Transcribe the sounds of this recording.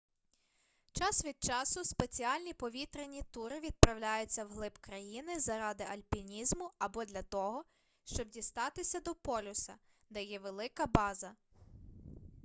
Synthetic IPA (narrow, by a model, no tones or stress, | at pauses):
t͡ʃɑsʋʲid̪̚t͡ʃɑsʊspet͡sʲiɑlʲnʲipɔʋʲit̪ɾenʲit̪uɾɪʋʲid̪̚pɾɐwlʲajʊt͡sʲːɐwɦlˠɪbkɾɐjinɪzɐɾɑd̪ɪʔɐlʲpʲinʲizmʊɐbɔd̪lʲɐt̪ɔɦɔ | ʃt͡ʃɔb̚dʲist̪ɑt̪ɪsʲɐd̪ɔpɔlʲʊsɐ | d̪ɛjɛʋelˠɪkɐbɑzɐ